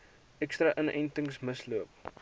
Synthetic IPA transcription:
ʔɛkstrɐʔənɛ̰jntəŋsməsluəp̚

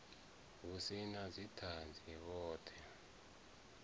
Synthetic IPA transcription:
βusinazitʰand͡zʱiβɔːtʰɛ

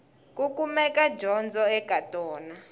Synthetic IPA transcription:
k̬ʼuk̬ʼumɛkad͡ʒʱɔnd͡zʱɔɛɡʱatʼɔːna

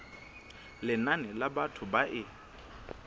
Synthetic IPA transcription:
lɪnanɛlabatʰʊbaʔɪ

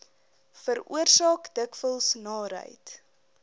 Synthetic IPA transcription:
fəɾṵərsɑːkdəkfəlˠsnɑːɾə̰jt

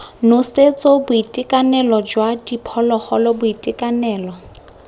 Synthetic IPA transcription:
nʊset͡sʼobʊitʼɪkʼanɛlɔd͡ʒwadipʰɔlɔχɔlɔbʊitʼɪkʼanɛːlɔ

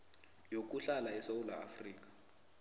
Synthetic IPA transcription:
jok̬ʼuɬalaɛsaulaːfriːk̬ḁ

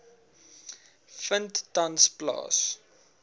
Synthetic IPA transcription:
fənttɐnsplɑ̰ːs

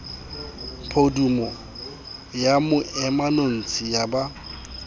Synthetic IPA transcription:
pʰodumɔ | jamʊʔɛmanon̩t͡sʰʼɪjaba

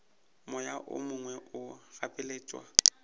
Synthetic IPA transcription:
mʊjaʔʊ̰mʊŋwɛʔʊɣapʼɪleːt͡ʃʼwa̰

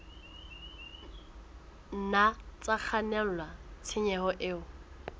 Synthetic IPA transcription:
nat͡sʼak͡xʰanɛl̩lat͡sʰɪɲɛhɔʔɪʊ

